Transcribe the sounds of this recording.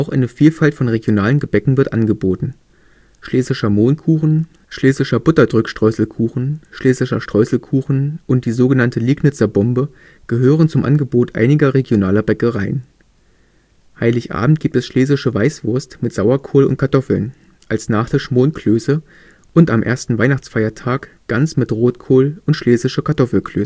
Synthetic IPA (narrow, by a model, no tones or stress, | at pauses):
ʔaʊxʔa̰ɪnəfiːlfaltfɔnʁeɡjonaːlənɡəbɛkŋ̩vɪɐtʔanɡəboːtn̩ | ʃleːsɪʃɐmoːnkʰuːχn̩ | ʃleːzɪʃɐbʊtɐdʁʏkʃtʁ̥ɔʏsl̩kʰuːxn̩ʃleːsɪʃɐʃtʁ̥ɔʏsl̩kʰuːxn̩ʔʊnt̚d̥iːzoːɡənantəliːɡnɪt͡sɐbɔmbə | ɡ̥əɦøːʁ̞ənt͡sʊmʔa̰nɡəboːtʔa̰ɪnɪɡɐʁeɡjonaːlɐbɛkəʁaɪən | haɪlɪçʔa̰ːbm̩t̚ɡ̥iːptɛsʃleːzɪʃəvaɪsv̥ʊɐstmɪtz̥aʊɐkʰoːlʊ̰nt̚kʰaɐtʰɔfl̩n | ʔalsnaːχd̥ɛɐʃmoːnkʰløːsə | ʔʊntamʔḛɐstn̩vaɪnaχt͡sfaɪɐtʰaːk | ɡ̥ant͡smɪtʁoːtkʰoːlʊntʃleːzɪʃɐkʰaɐtʰɔfl̩kʰl̥øːs